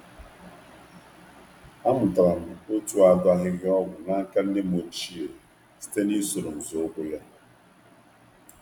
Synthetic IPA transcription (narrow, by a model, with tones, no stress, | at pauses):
a˦m̩˨tɾa˨n̩˨o˦tu˦a˨da˦ɦɪ˦ɣɪ˦ɔ˦ɡʷʊ˨na˦ŋ̩˦ka˦n̩˦dɪ˦mo˨t͡ʃi˦˨ | si̥˦te˦ni˦so˨ɾo˨n̩˨zo˨o˦ɡʷu˦le˦